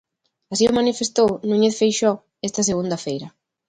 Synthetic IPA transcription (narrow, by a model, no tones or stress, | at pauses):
asiʊmanifest̪ownuɲeθfejʃɔ | ɛst̪ɐseɣund̪ɐfejɾɐ